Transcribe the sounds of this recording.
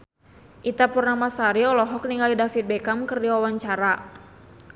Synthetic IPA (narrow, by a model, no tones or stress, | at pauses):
ʔit̪apurnamasaɾiɔlɔɦɔk̚niŋalidafit̪̚bɛkamkɨrdiwawaɲt͡ʃaɾa